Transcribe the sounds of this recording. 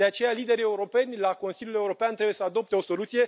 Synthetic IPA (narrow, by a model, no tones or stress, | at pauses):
e̞at͡ʃe̞jalid̪e̞ɾie̞uɾo̞pe̞nʲlako̞nsiljule̞uɾo̞peant̪ɾe̞bujesəad̪o̞p̚t̪e̞o̞so̞lut̪sije̞